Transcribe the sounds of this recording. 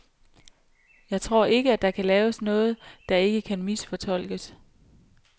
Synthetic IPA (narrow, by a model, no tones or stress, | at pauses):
jɑ̈ɪt͡sʰʁo̝ɐ̰e̝ɡ̥əæd̥ɑ̈kʰælɛːʊəsnɔ̽ːð̞̩ˠd̥ɑ̈e̝ɡ̥əkʰænmisfɒ̽t͡sʰɒ̽l̰ɡ̥əs